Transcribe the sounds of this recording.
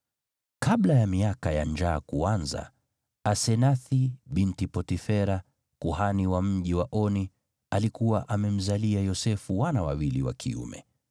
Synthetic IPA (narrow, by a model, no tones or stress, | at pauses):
kaɓlajamiakajaɲd͡ʒaːkuanza̰ː | sɛnaθiɓintipɔtifɛɾa | kuhaniwam̩ʄiwaʔɔni | alikuwaʔamɛm̩zaliajɔsɛfuwanawawiliwa̰kʰḭṵmɛ̰